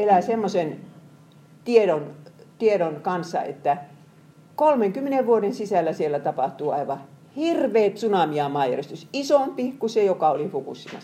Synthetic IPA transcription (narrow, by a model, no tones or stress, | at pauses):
elæˑsemːosen | t̪ieɾont̪ieɾonkɑnsːɑ̰ḛt̪ːæ | kolmeŋkymːeneʋʋuodensisælːæsielːæt̪ɑpɑht̪uːɑ̰iʋɑ | hirʋeːt̪sunɑmiɑmɑːjæ̰rest̪ysisompikusejokɑolihukṵsːimɑ̰